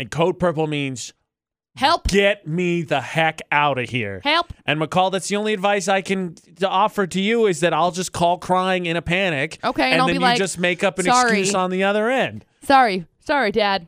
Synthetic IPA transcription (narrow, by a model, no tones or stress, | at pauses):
ɨ̃nkʰoʊd̚pʰɜ˞pl̩ˠmĩnz̥ | hɛlˠpɡ̥ɛt̚miðəhækaʊɾɨhḭɹhɛlˠpʔɨ̃nmɨkʰɔlˠðætsðiõʊ̃nliɨdvaɪs̬aɪkɨ̃n | ɔfə˞ɾɨjɨɪzðɨɾaɪlˠd͡ʒʌskʰɔlˠkʰɹ̥aɪɪ̃ŋɨ̃ɾ̃ɨpʰæɾ̃ɪkoʊkeɪ̃ɨ̃nðɨ̃jlad͡ʒʌsmeɪkʌpɨ̃nɨkɹjiʉsn̩ðiʌðə˞ɛ̃nd̥ | sɑɹisɑɹidæd̥̚